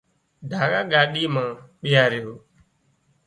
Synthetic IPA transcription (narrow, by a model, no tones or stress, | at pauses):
ɖʱaːɠaːɠaːɗiːmãːɓɪjaːɾɪjoː